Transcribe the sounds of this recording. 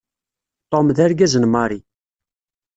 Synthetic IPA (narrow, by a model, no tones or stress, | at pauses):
t̪ˤomðæɾɡæzənmɑɾˤi